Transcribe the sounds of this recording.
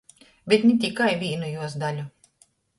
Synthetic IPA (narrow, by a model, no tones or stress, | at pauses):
bʲet̪nʲɛt̪ʲikajvʲiːnujuɔsd̪alʲu